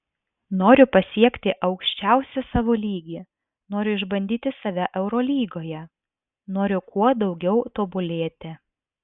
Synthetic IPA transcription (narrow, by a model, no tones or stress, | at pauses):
noːɾʲʊpɐsʲiɛkt̪ʲɪʔɐʊkʃʲt͡ʃʲɛˑʊsʲɛsɑːʋoːlʲiːɡʲi | noːɾʲʊɪʒbɐnʲd̪ʲiːt̪ʲɪsɐʋʲæʔɛʊɾoːlʲiːɡoːjɛ | noːɾʲʊkʰuɔd̪ɒʊɡʲɛʊt̪oːbʊlʲeːt̪ʲɪ